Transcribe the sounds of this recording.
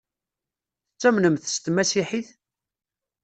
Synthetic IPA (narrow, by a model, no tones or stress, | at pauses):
θət͡sːæmnəmθst̪mæsiħiθ